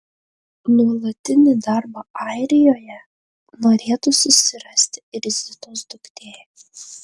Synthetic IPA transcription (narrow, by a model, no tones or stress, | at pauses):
nuɔlˠɐt̪ʲɪnʲɪd̪ɑɾbɑɑˑɪɾʲɪjoːjɛ | noːɾʲeːt̪ʊsʊsʲɪɾɐsʲt̪ʲɾʲɪzʲɪt̪osd̪ʊkt̪ʲeː